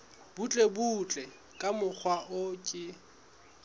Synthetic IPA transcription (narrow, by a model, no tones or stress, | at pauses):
b̥ut͡ɬʼebut͡ɬʼɛ | kʼamʊk͡xʰwaʔʊkʼɪ